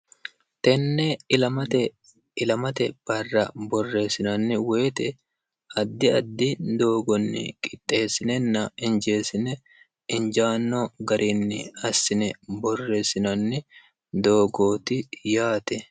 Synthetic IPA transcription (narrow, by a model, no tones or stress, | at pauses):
t̪ɛnːɛlɐmɐt̪ɛ | ɪlɐmɐt̪ɛb̥ɐrːɐbɔrːe̞ːsɪnɐnːɪweːt̪ɛ | ɐd̪ːɪɐd̪ːɪd̪o̞ːɡɔnːɪ̰kʼɪt̪ʼːe̞ːsːɪnɛnːɐɪnd͡ʒe̞ːsɪnɛ | ɪnd͡ʒaːnːɔɡɐɾʔinːɪ̰ɐsːɪnɛbɔrːe̞ːsɪnɐnːɪ | d̪o̞ːɡo̞ːt̪ɪjaːt̪ɛ